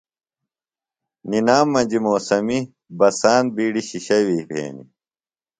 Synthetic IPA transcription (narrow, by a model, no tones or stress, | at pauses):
ninaːmːɐnd͡ʑimoːsɐmi | bɐsaːnbiːɽiɕiɕɐwiːpʰḛːnḭ